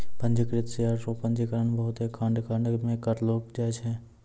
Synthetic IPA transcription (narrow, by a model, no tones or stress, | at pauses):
pə̃ɲd͡ʒəkɾɪt̪sɪjaːɾsõpə̃ɲd͡ʒikəɾəɳbɐɦʊt̪ɦɛkʰãːɳɖkãːɳɖmẽkəɾloːɡ̚d͡ʒaːt͡ʃɦɛ̃ː